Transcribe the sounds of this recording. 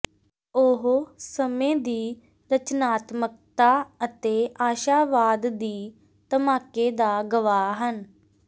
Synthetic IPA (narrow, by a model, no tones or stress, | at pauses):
ʊɦsəmẽːd̪iː | ɾət͡ʃnaːt̪mək̚t̪aːət̪eːʔaːʃaːʋaːd̪ːiː | t̪əmaːkeːd̪aːɡəʋaːɦən